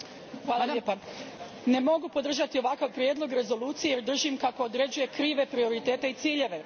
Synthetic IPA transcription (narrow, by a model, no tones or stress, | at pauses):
xʋaːlaʎepa | ne̞mo̞ɡupo̞d̪r̩ʒat̪io̞ʋakaʋpɾʲje̞d̪lˠo̞ɡɾe̞zo̞luːt̪sijejeɾd̪r̩ʒimkakoːd̪ɾe̞d͡ʑuje̞kɾiːʋe̞pɾio̞ɾit̪e̞ːt̪e̞it̪siːʎe̞ʋe̞